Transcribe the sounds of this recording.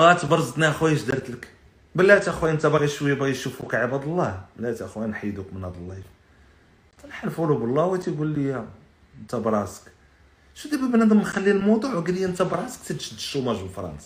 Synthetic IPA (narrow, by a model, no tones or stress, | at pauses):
æt̪bɑɾˤzt̪næxwæjəʃd̪əɾˤt̪lək | bəlːæt̪ʔæxwænt̪æbɣiʃwjæbæjʃufukʕəbæd̪ˤəlˤːɑhbəlːæt̪ʔæxwænħəjd̪ukmənhæd̪ˤəlːɑf | t̪ænħalfulubəlˤːɑwæt̪iɡulːəjæ | ənt̪æbɾˤɑsə̥k | ʃud̪æbæbnæd̪əmxælːilmod̪ˤuʕwɡlijːænt̪æbɾˤɑsə̥k̚t̪əd̪ʃəd̪ʃumæʒbəfɾˤɑ̰nsɑ̥